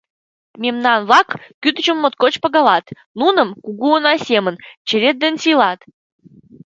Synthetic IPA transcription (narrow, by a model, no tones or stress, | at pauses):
mʲemnɑnβlɑkːyt̪ət͡ɕə̆mːot̪̚kot͡ɕpəɣɑlɑt̪ | nunəmkuɣuonɑsʲemənt͡ɕeɾet̪̚d̪ensilɑt̪